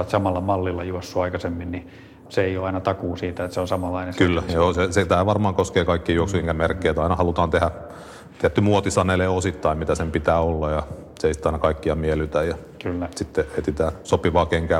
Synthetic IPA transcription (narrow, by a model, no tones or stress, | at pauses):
ɑt̪sɑmɑlːɑmɑlːilːɑjuosːuɑikɑsemːinni | seeijoɑinɑt̪ɑkuːsiːt̪æet̪seonsɑmɑlːˑɑinenskylːæjjoːseset̪æːʋɑrmɑːŋkoskeːkɑikːijuoksueiŋkæmerkːeːt̪ɑinɑhɑlut̪ɑːnt̪ehæ | t̪iæt̪ːymuot̪isɑneleːosit̪ːɑimmit̪æsempit̪æːolːɑjɑseeˑisit̪ːɑinɑkɑikːiɑmielyt̪æjɑ | kylːæsit̪ːeeit̪it̪æːsopiʋɑːkeŋkæː